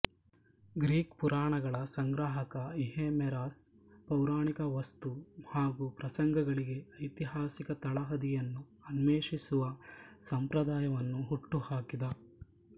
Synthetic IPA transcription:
ɡɾiːkpuɾaːɳɐɡɐɭɐsɐŋɡɾaːɦɐkɐiɦeːmɛɾaːs | pɐwɾaːɳikɐʋɐst̪uhaːɡupɾɐsɐŋɡɐɡɐɭiɡe̞ɐjt̪iɦaːsikɐt̪ɐɭɐɦɐd̪ijɐnːu | ɐnmeːʂisuʋɐsɐmpɾɐd̪aːjɐʋɐnːuɦuʈːuhaːkid̪ɐ

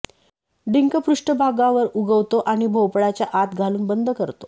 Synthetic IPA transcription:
ɖiŋkəpɾuʂʈəbʱaɡaʋəɾuɡəʋt̪oʔaɽ̃ibʱowpɽat͡ɕjaʔat̪ɡʱaluːnbənd̪ʱəkəɾt̪o

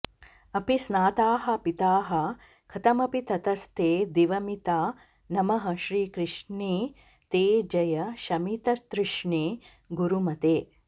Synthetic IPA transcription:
ɐpisnaːt̪aːɦɐ̆pit̪aːɦɐ̆ | kʰɐt̪ɐmɐpit̪ɐt̪ɐst̪eːd̪iʋɐmit̪aː | nɐmɐɦɐ̆ʃɾiːkɾɪʃɳeː | t̪eːd͡ʒɐjɐʃɐmit̪ɐst̪ɾɪʂɳeː | ɡuɾumɐt̪eː

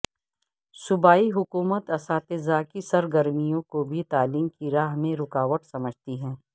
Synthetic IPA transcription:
sʊbaːiɦʊkuːmət̪ɐsaːt̪ezakisɐɾɡəɾmijõkobʱit̪aːliːmkiɾaːɦmẽɾʊkaːʋəʈsɐməd͡ʒʱt̪iɦɛ̃ː

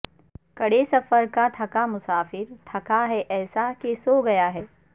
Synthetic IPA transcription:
kɐɽesɐfəɾkat̪ʰɐkamʊsaːfɪɾt̪ʰɐkaɦɛʔɛːsakesoɡɐjaɦɛː

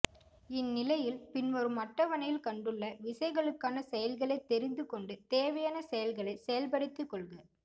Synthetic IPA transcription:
ɪnːɪlɐjɪlpɪnɔɾɯmɐʈːɐʋɐɳɐjɪlkɐɳɖɯɭːɐʋɪsɐɪɣɐɭɯkːaːnɐsɛjɐlɣɐɭɐɪt̪ɛɾɪnd̪ɯkɔɳɖɯt̪eːʋɐjaːnɐsɛjɐlɣɐɭɐɪsɛjɐlpɐɽɯt̪ːɯkːɔɭɣɐ

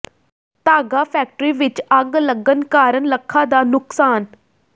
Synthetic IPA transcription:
t̪aːɡaːpʰɛːk̚ʈəɾiːʋɪt͡ʃəɡləɡənkaːɾənləkʰːãːd̪aːnʊksaːn

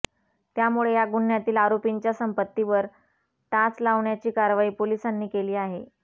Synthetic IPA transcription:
t̪jamuɭejaɡuɳjat̪iːlaɾopiɲt͡ɕjasəmpət̪ːiʋəɾ | ʈat͡slaʋɳjat͡ɕiːkaɾʋaiːpolisanːiːkeliːaɦe

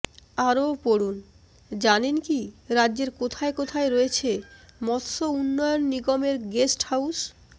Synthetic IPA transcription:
aɾopoɽun | d͡ʑanenkiɾadːd͡ʑeɾkot̪ʰaekot̪ʰaeɾoet͡ɕʰemɔt̪sounːɔjonːiɡomeɾɡesʈhaus

